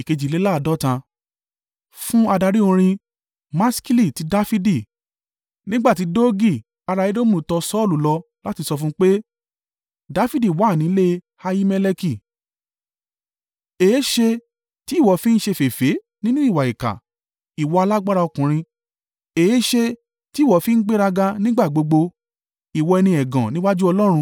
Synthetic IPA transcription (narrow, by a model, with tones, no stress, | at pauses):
i˨ke˧d͡ʒi˨le˨˦la˦˧˨dɔ˦tã˧ | fũ˦a˧da˧ɾi˦o˧ɾ̃ĩ˧ | mã˦ski˦li˦˨ti˨˦da˦fi˦di˦˨ | nĩ˦ɡ͡ba˦˨ti˨˦do˦ɡi˦˨ | a˧ɾa˧ji˦do˦mũ˧˨tɔ˧sɔ˦˨lu˨lɔ˧ | la˦ti˧sɔ˧fũ˦k͡pe˦ | da˦fi˦di˦˨wa˨˦˨nĩ˨˦le˦ | ha˧ji˦me˧le˧ki˦˨ | eː˨˦ʃe˧ | ti˨˦˨wɔ˨˦fĩ˦n̩˦ʃe˧fe˨fe˨˦ | nĩ˦nũ˦i˦˨wa˨i˨ka̰˨ | i˨wɔ˧a˧la˦ɡ͡ba˦ɾa˧ɔ˧kũ˨ɾ̃ĩ˧ | eː˨˦ʃe˧ | ti˨˦˨wɔ˨˦fi˦n̩˦ɡ͡be˦ɾa˧ɡa˧nĩ˦ɡ͡ba˦˨ɡ͡bo˧ɡ͡bo˧ | i˨wɔ˧ɛ˧nĩ˧ɛ˨ɡã˨nĩ˦wa˦d͡ʒu˦ɔ˧lɔ˦ɾ̃ũ˧